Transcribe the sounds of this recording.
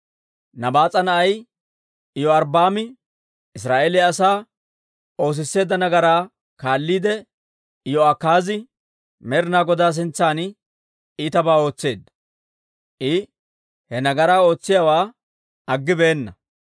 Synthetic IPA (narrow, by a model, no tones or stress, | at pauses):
nɐbaːt͡sʼɐnɐʔɐj | ɪjɔɐɾbaːmɪ | ɪs̬ɾaːʔeːlɪɐsaː | o̞ːs̬ɪsːe̞ːd̪ːɐnɐɡɐɾaː | kaːlːiːd̪ɛ | ɪjɔɐkːaːzɪ | mɛɾnaːɡɔd̪aːs̬ɪnt͡sːaːn | it̪ɐbaːo̞ːt͡sːe̞ːd̪ɐ | ʔɪ | hɛnɐɡɐɾaːo̞ːt͡sːɪjawaː | ɐɡːɪbeːnːɐ